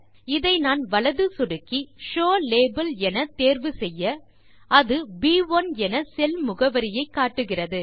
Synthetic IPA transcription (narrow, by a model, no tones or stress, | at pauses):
ɪðɐɪnaːnʋɐɭɐðɯsʊɽɯkːiʂoːleːbɐlɛnɐt̪eːɾʋɯsɛjːɐ | ɐðɯbiːʋɐnɛnɐsɛlmʊɣɐʋɐɾɪjɐɪkːaːʈːɯɣɪrɐðɯ